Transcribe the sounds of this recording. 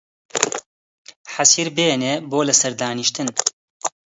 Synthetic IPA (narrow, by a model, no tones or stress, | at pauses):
ħasiːɾbeːneːboːlɨsɐɾd̪aːnɨʃt̪ɨn